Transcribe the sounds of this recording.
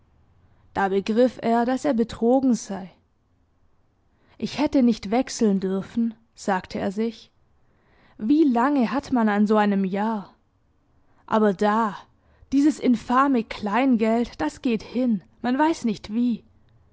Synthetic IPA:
d̥aːbəɡʁɪfeːɐdaseːɐbətʁ̥oːɡŋ̩zaɪ | ʔɪçhɛtənɪçtv̥ɛksl̩ndʏɐfn̩ | z̥aːktʰəeːɐzɪç | viːlaŋəɦatmananzoːaɪnəmjaːɐ | ʔa̰ːbɐdaː | d̥iːzəsʔɪnfaːməkʰl̥aɪnɡɛltd̥asɡ̥eːthɪn | manvaɪsnɪçtv̥iː

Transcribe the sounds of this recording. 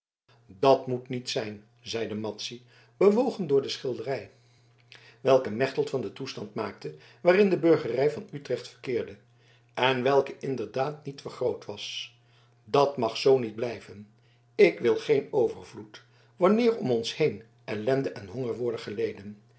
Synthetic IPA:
dɑtmutnitsɛjn | zɛjdəmɑtsi | b̥əʋowχəndʊːɹdəsχɪlˠdərɛj | ʋɛlˠkəmɛχtəlˠtfɑndətustɑntmaːk̚tə | ʋaːrɪndəbɵɹχərɛjvɑnytrɛχtfəɹkɪːɹdə | ɛnʋɛlˠkəʔɪndəɹdaːtnitfəɹχrowtʋɑs | dɑtmɑχsownid̚blɛjvən | ɪkʋɪlˠχejnowvəɹvlut | ʋɑnɪːɹɔmɔnshejn | ʔɛlɛndəʔɛnɦɔŋəɹʋʊɹdəχəlejdən

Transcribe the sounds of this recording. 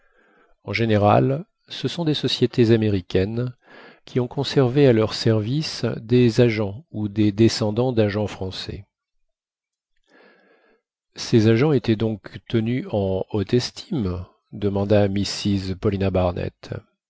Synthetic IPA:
ɑ̃ʒeneʁa̰l | səsɔ̃d̪esɔsjet̪ʰezameʁikʲɛn | kʲʰiɔ̃kɔ̃sɛʁvealœʁsɛʁvisd̪ezaʒɑ̃ud̪ed̪esɑ̃d̪ɑ̃d̪aʒɑ̃fχɑ̃sɛ̰ | sɛzaʒɑ̃et̪ɛd̪ɔ̃kt̪ənyɑ̃ot̪ɛst̪ʰim | d̪əmɑ̃d̪amisizpɔlinabaʁnɛ̰t̪

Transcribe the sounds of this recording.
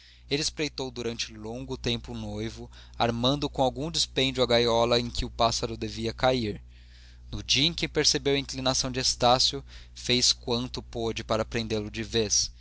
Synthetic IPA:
elɪspɾejt̪owd̪uɾɐ̃nt͡ʃɪlõŋɡʊt̪ẽmpʊnojvʊ | aɾmɐ̃nd̪ʊkõw̃awɡũd͡ʒɪspẽd͡ʒʊɐɡajɔlɐẽkɪʊpasɐɾʊd̪eviɐkaiɾ | nʊd͡ʒiẽkʲɪpeɾsebewɐĩklinasɐ̃w̃d͡ʒɪest̪asjʊ | fejskwɐ̃nt̪ʊpod͡ʒɪpaɾɐpɾẽnd̪elʊd͡ʒɪves

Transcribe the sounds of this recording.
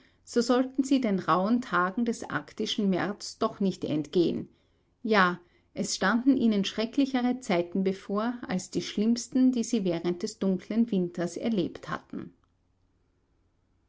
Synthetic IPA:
z̥oːzɔltn̩ziːdeːnʁaʊəntʰaːɡŋ̩dɛsʔa̰ɐktɪʃn̩mɛɐt͡sd̥ɔχnɪçtɛ̰ntɡ̥eːən | jaː | ʔɛsʃtandn̩ʔiːnənʃʁ̥ɛklɪçəʁət͡saɪtn̩befoːɐa̰lsd̥iːʃlɪmstn̩diːziːvɛːʁənt̚d̥ɛsd̥ʊŋkʰl̥ənvɪntɐsɛ̰ɐleːptha̰tn̩

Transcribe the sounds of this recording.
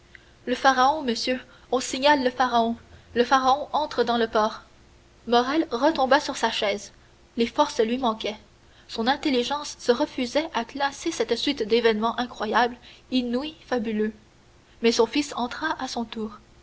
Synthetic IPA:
ləfaʁaɔ̃məsjø | ɔ̃siɲalːəfaʁaɔ̃ləfaʁaɔ̃ʔɑ̃t̪χəd̪ɑ̃ləpɔːʁ | mɔʁɛlʁət̪ɔ̃basyʁsaʃɛːz | lefɔʁslɥimɑ̃kʲɛ | sɔ̃nɛ̃t̪eliʒɑ̃sːəʁəfyzɛʔaklasesɛt̪sɥit̪d̪evɛnmɑ̃ʔɛ̃kχwajablinwifabylø | mɛsɔ̃fisɑ̃t̪χaʔasɔ̃t̪uːʁ

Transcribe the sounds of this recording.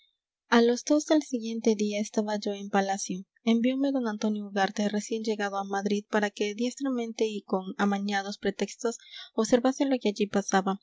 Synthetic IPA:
alo̞zd̪o̞zðe̞lsiɣje̞nt̪e̞ðiaest̪aβaʝo̞e̞mpalasjo | e̞mbjo̞me̞ðo̞nant̪o̞njouɣaɾt̪ere̞sje̞nd͡ʒe̞ɣaðo̞amaðɾiðpaɾake̞d̪je̞st̪ɾamẽ̞nt̪e̞iko̞namaɲað̞o̞spɾe̞t̪e̞kst̪o̞soβse̞ɾβase̞lo̞keaʝipasaβa

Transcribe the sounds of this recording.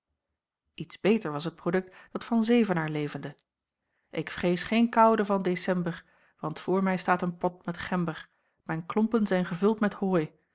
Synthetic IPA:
itzb̥ejtəɹʋɑsɦət̚prodɵk̚td̥ɑtfɑnzejvənaːɹlejvəndə | ʔɪkfrejsχejnkɑwdəvɑndesɛmbəɹ | ʋɑntfʊːɹmɛjstaːtənpɔtmɛtχɛmbəɹ | mɛjnklɔmpənzɛjnχəvɵlˠtmɛthoːj

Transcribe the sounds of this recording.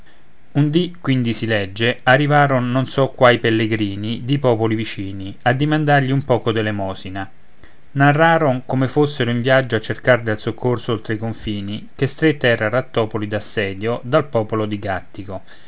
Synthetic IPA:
und̪ikːwind̪isilɛd͡ʒːearːivaːɾonːonsɔkːwajpelːeɡɾiːnid̪ipɔːpolivit͡ʃiːniad̪ːimand̪arʎiumpɔːkod̪elːemɔːsina | narːaːɾoŋkomefosːeɾoiɱvjad͡ʒːoat͡ʃːerkard̪elsokʰːorsoolt̪ɾeikoɱfiːnikest̪ɾet̪ːɛːɾaɾat̪ːɔːpolid̪asːɛːd̪jod̪alpɔːpolod̪iɡat̪ːiko

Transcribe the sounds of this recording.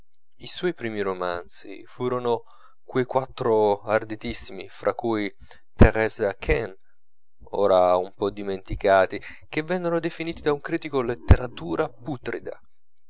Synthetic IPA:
iswɔjpɾiːmiɾomant̪sḭfuːɾono | kwejkwat̪ːɾoard̪it̪isːimḭfɾʔakːuj | t̪eɾɛzakʰɛn | ɔ̰ːɾaumpɔd̪ːiment̪ikaːt̪i | k̟evːɛnːonod̪efiniːt̪id̪auŋkɾiːt̪ikolet̪ːeɾat̪uːɾaput̪ɾḭd̪a̰

